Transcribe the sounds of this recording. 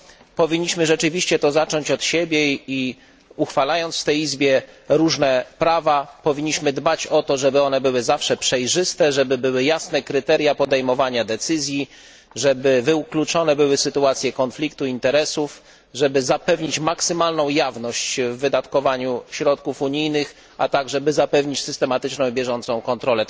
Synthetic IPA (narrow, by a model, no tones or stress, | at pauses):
pɔvʲiɲːiɕmɘʐɛt͡ʂɘvʲiɕt͡ɕɛt̪ɔzat͡ʂɔɲt͡ɕɔt̪ɕebʲjɛi | uxfalajɔnt̪sft̪ɛjizbʲjɛɾuʐnɛpɾavapɔvʲiɲːiɕmɘd̪bat͡ɕɔt̪ɔʐɛbɘɔnɛbɘwɘzafʂɛpʂɛjʐɘst̪ɛʐɛbɘbɘwɘjasnɛkɾɘt̪ɛɾʲjapɔd̪ɛjmɔvaɲad̪ɛt̪sɘzʲji | ʐɛbɘvɘuklut͡ʂɔnɛbɘwɘsɘt̪uat̪sʲjɛkɔnflʲikt̪uint̪ɛɾɛsuf | ʐɛbɘzapɛvɲit͡ɕmaksɘmalnɔ̃w̃javnɔɕt͡ɕvːɘd̪at̪kɔvaɲuɕɾɔt̪kufuɲijnɘx | a̰t̪aɡʐɛbɘzapɛvɲit͡ɕsɘst̪ɛmat̪ɘt͡ʂnɔ̃w̃bʲjɛʐɔnt̪sɔ̃w̃kɔnt̪ɾɔlɛ